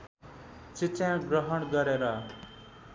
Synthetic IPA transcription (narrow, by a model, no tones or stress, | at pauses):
t͡sit͡sjãɡrʌɦʌɽɡʌɾeɾʌ